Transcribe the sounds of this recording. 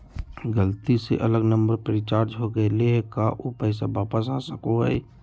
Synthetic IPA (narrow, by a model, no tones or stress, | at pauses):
ɡəlt̪isḛʔɐləɡnə̃mbəɾpəɾɪt͡ʃaːɾd͡ʒɦoɡəeleɦɛkaʔopɛːsaʋaːpəsasəkoɦɛ̰i